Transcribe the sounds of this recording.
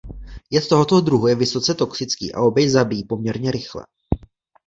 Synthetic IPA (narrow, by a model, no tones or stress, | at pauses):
jɛt̪t̪oɦot̪o̞d̪ɾuɦujɛvɪso̞t͡sɛt̪o̞ksɪt͡skḭːʔa̰o̞bjɛjzabijipo̞mɲɛɾɲɛɾɪxlɛ̰